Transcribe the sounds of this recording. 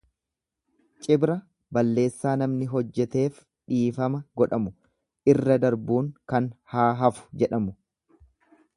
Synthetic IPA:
t͡ʃʼɪbɾɐ | bɐlːe̞ːsːaːnɐmnɪɦɔd͡ʒːɛt̪e̞ːf | ᶑiːfɐmɐɡɔᶑɐmʊ | ʔɪrːɐd̪ɐɾbuːŋkɐnhaːɦɐfʊ̥d͡ʒɛᶑɐmʊ

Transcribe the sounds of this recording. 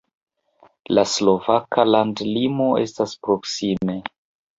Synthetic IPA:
laslo̞vakalandlimo̞ʔe̞̰staspɾo̞ksime̞

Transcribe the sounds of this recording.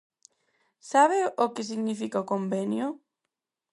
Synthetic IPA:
saβɪʔokɪs̬iɣnifikaokombɛnjʊ

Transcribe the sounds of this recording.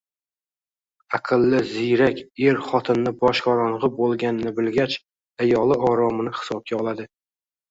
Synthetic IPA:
aqʰɨlˠːɪzɪjɾakʲe̞ɾχɒt̪ʰɪnːɪbɒʃqɒɾɒnʁɨbolˠɡʲanɪnɪbɪlɡʲat͡ʃ | ajɒlˠɪɒɾɒmɪnɪhɪ̥sɒb̚kʲaɒlˠad̪ɪ

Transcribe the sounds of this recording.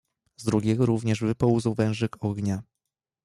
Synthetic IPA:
zd̪ɾuɡʲɛɡɔɾuvɲɛʐvɘpɔwuzɔwvɛ̃w̃ʐɘkʰɔɡɲa

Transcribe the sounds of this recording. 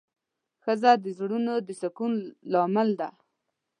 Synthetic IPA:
xəzad̪əzɽunod̪əsakunlɑmɪld̪a

